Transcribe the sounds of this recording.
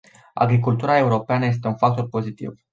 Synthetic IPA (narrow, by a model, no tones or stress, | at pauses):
a̰ɡɾikult̪uɾae̞uɾo̞peanəje̞s̬t̪e̞unfak̚t̪o̞rpo̞zit̪ḭv